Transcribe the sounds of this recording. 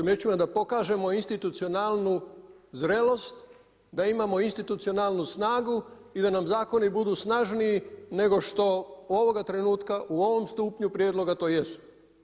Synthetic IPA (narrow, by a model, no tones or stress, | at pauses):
imɾeːt͡ʃimad̪apo̞kaːʒe̞mo̞inst̪it̪ut̪sio̞nalˠnuzɾe̞lo̞st̪ | d̪aimamo̞inst̪it̪ut̪sio̞nalˠnusnaːɡu | id̪anamzaːko̞nibud̪uːsnaʒniine̞ɡo̞ʃt̪o̞o̞ʋo̞ɡat̪ɾe̞nuːt̪kaʔuo̞ʋo̞mst̪uːpɲupɾʲjed̪lˠo̞ɡat̪o̞ːjesu̥